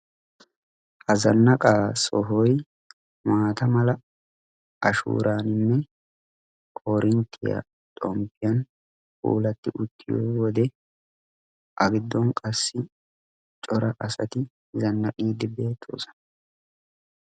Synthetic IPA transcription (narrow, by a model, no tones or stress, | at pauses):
hɐzɐnːɐkʼaːsɔɦɔj | maːt̪ɐmɐlɐ | ʔɐʃṵːɾaːnɪmːɛ | kʼɔːɾɪnt̪ʰːɪja̰ | t̪ʼɔmpːɪjɐn | kʼṵːlɐt̪ːɪʔʊt̪ʰːɪjo̰ːwɔd̪ɛ | ʔɐɡɪd̪ːɔnkʼɐsːɪ | t͡ʃʼɔɾɐʔɐsɐt̪ɪ | zɐnːɐkʼiːd̪ɪbe̞ːt̪ʰːo̰ːsɔ̥nɐ